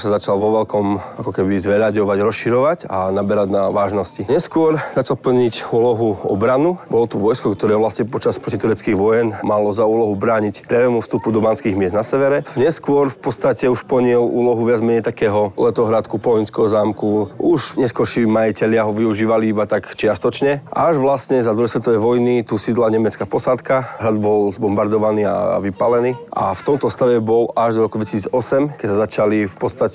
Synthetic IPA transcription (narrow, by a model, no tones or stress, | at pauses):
sazat͡ʃalʋɔʋɛlkɔmakɔkɛbizʋɛʎaɟɔʋaɟɾɔsʃiɾɔʋacanabɛɾaɟnaʋaːʒnɔsciɲɛskʊɔɾz̥at͡ʃalpl̩ɲicuːlɔɦuɔ̰bɾanubɔlɔt̪uʋɔjskɔkt̪ɔɾɛːʋlasɲɛpɔt͡ʃaspɾɔcit̪uɾɛt͡skiːɣʋɔjɛnmalɔzauːlɔɦubɾaːɲicpɾɪaʋɛːmufst̪upud̪ɔbaːnskiːɣmɪɛzd̪nasɛʋɛɾɛɲɛskʊɔɾfpɔt͡sst̪acɛuʃpɔɲɪɛlṵːlɔɦuʋɪad͡zmɛɲɛjt̪akɛːɦɔlɛt̪ɔɦɾat̪kupɔɦɔinskɛɦɔzaːmkuuʒɲɛskwɔɾʃimajicɛʎɪaɦɔʋiuʒiːʋaliiːbat̪akt͡ʃɪast̪ɔt͡ʃɲɛʔa̰ʒʋlastɲɛzad̪ɾuɦɛsʋɛt̪ɔʋɛjʋɔjnit̪usiːd̪laɲɛmɛt͡skapɔsat̪kaɦɾad̪bɔlzbɔmbaɾd̪ɔʋaniːa̰ʋipalɛniːʔa̰ft̪ɔmt̪ɔst̪aʋɛbɔlaʒd̪ɔɾɔkud̪ʋɛcisiːd͡zɔsɛmkɛcsazat͡ʃalifpɔt̪st̪acɛ